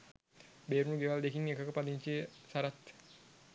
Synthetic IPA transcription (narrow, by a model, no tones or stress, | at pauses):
beːɾunuɡeʋald̪ekiŋekəkəpaliɲt͡ʃesaɾat̪